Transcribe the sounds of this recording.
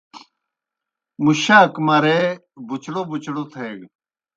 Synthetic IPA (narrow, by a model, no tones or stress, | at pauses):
muɕaːkmaɾe | bʱut͡ɕɽobut͡ɕɽot̪ʰeːɡ